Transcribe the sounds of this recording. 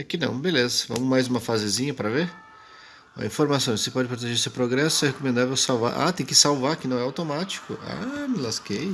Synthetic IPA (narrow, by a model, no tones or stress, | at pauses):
ɛkɪnɐ̰̃w̃belezɐvɐ̰̃mʊmajzũmɐfazɪzĩɲɐpɾɐveɾ | ɐ̰ĩfoɾmasõj̃ssɪpɔd͡ʒɪpɾot̪eʒeɾsewpɾoɡɾɛsʊɛhekomẽnd̪avewsawva̰ɾʔa̰t̪ẽj̃kɪsawvaɾkɪnɐ̃w̃ɛawt̪omat͡ʃi̥kʊa̰mɪlaskej